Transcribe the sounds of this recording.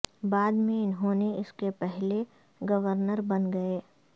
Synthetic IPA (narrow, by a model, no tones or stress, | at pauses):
baːd̪mẽɪnɦõːneɪskepɛɦle | ɡɐʋəɾnəɾbɐnɡɐeː